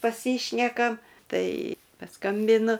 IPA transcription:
pɐˈsʲiːʃʲnʲɛkɐm ˈtɐɪ pɐˈskɐmʲbʲɪnʊ

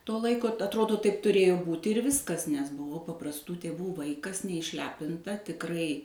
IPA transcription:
toː ˈlˠɐɪkoː t ɐtˈroːdoː ˈtɐɪp tʊˈrʲeːjoː ˈbuːtʲɪ ɪr ˈʋʲɪskɐs nʲɛs bʊˈʋɐʊ pɐprɐsˈtuː tʲeːˈʋuː ˈʋɐɪkɐs nʲɛɪʃʲˈlʲæːpʲɪntɐ tʲɪkˈrɐɪ

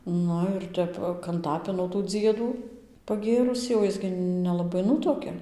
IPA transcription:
ˈnʊ ɪr ˈtʲɛp kɐnˈtɑːpʲɪnoː tuː ˈd͡zʲiɛduː pɐˈɡʲeːrʊsʲiː oː ˈjɪs ɡʲɪ nʲɛlˠɐˈbɐɪ ˈnʊtuɔkʲɛ

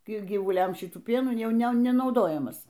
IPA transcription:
ˈkɐɪ ɡʲiːʋʊˈlʲɛmʲˈʃʲɪtuː ˈpʲiɛnuː ˈjɛʊ ˈnʲɛ nʲɛnɐʊˈdoːjɛmɐs

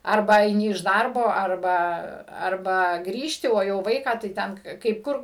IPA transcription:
ˈɐrbɐ ɐɪˈnʲɪ ɪʃ ˈdɐrboː ɐrˈbɐ ɐrˈbɐ ˈɡrʲiːʃʲtʲɪ oː jɛʊ ˈʋɐɪkɑː tɐɪ ˈtʲɛn kɐɪp ˈkʊr

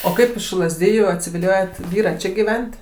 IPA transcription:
oː ˈkɐɪp ɪʃ lˠɐzʲˈdʲɪjuː ɐtʲsʲɪʋʲɪˈlʲoːjoːt ˈʋʲiːrɐ ˈt͡ʃʲɪ ɡʲiːˈʋʲɛnʲtʲ

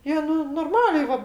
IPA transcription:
ˈjiɛ ˈnʊ noːrˈmɑːlʲɛɪ ˈʋɐ

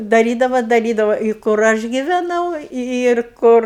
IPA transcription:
dɐˈrʲiːdɐʋɐ dɐˈrʲiːdɐʋɐ ɪ kʊr ˈɐʃ ɡʲɪʋʲɛˈnɐʊ ɪr ˈkʊr

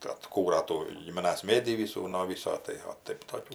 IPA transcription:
tɐɪ ɐtˈkuːrɐ ˈtuː ɡʲɪmʲɪˈnɐs ˈmʲeːdʲiː ˈʋʲiːsuː noː ˈʋʲiːsoː tɐɪ oː ˈtɐɪp toːˈkʲuː

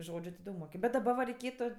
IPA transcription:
ˈʒoːd͡ʒʲʊ tʲɪ ˈdɐʊk moːˈkʲɪm bʲɛt dɐˈbɐ ʋɐ rʲɛɪˈkʲeːtʊ

